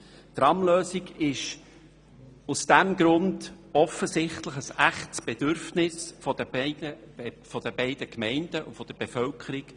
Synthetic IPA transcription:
tɾɑmløːsiɡɪʃ | usd̥æmɡɾʊndɔfəzɪχtləχəsæχtsb̥ed̥ʏɾfnɪsfɔd̥əbɛɪdə | fɔd̥əb̥ɛɪd̥əkmɛɪnd̥əʔufɔd̥əb̥efœlkʰəɾik

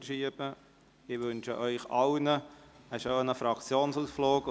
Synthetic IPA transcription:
ʃiəbə | ɪʋɵnʃə̰ʔœʏχɑwnəəʃøːnəfɾɑkt͡sjoːnsusfloːk

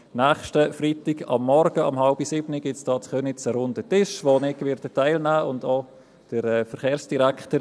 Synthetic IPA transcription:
nɛːχʃtəfritɪɡɑ̰mːɔɾɡəɑmhɑlbisɪbniɡ̥ɪtsd̥ɑːtχœnɪt͡səɾʊndətɪʃʋonɪkʋɪɾtətaɪlnæːʊndo | d̥əɾɛːfəɾχeːɾsd̥iɾækχtəɾ

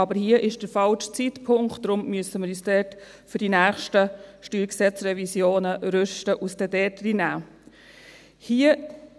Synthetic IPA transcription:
ɑbəɾhiəʔɪʃd̥əɾfɑlʃt͡sitpʰʊŋktːɾʊmmyəsəməɾjysd̥ɛːɾt | fʏɾdinæːχʃtəʃtyːlksɛt͡sɾɛvisjoːnəɾʏʃtəʔusd̥ɛdɛtrinæː | hiːə

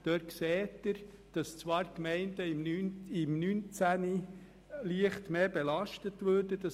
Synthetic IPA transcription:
d̥øːɾksɛːtəɾ | d̥ɑst͡sʋɑːɾkmɛɪndəɪmnynɪmnynt͡sæni | liəχtmeːbɛlɑʃtətʋøːɾd̥əd̥ɑ

